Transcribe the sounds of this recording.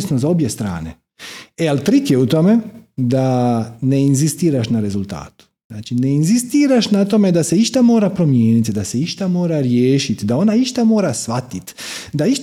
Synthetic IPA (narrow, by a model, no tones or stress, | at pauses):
snozao̞bje̞st̪ɾa̰ːnḛ | ealt̪ɾit̪jeut̪o̞me̞d̪ane̞inzist̪iːɾaʃnaɾe̞zult̪a̰ːt̪u̥znaːt͡ʃine̞inzist̪iːɾaʃnat̪o̞me̞d̪ase̞iʃt̪amo̞ːɾapɾo̞mjeːnit̪d̪ase̞iʃt̪amo̞ːɾaɾjeːʃit̪d̪ao̞naiʃt̪amo̞ːɾasʋat̪it̪d̪aiʃ